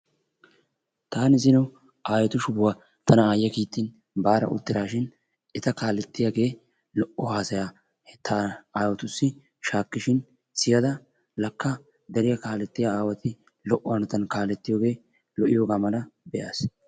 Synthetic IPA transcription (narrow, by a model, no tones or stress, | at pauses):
t̪aːnɪzɪnɐw | ʔaːjɛt̪ʊʃʊbʊwaː | t̪ʰɐnɐaːjːɐkiːt̪ːɪn | baːɾɐ̰ʊ̰d̪ːɪɾaːʃɪn | ɛt̪ɐkaːlɛt̪ːɪjaːɡe̞ː | lɔʔɔhaːsɐjaː | ht̪ʰːaːaːjɔt̪ʊsːɪ | ʃaːkːɪʃɪn | sɪjɐd̪ɐ | lɐkːɐ | d̪ɛɾɪjɐkaːlɛt̪ːɪjaaːwɐt̪ɪ | lɔʔːɔhɐnɐt̪ɐnkaːlɛt̪ːɪjoːɡe̞ː | lɔʔɪjoːɡaːmɐnɐbɛʔaːs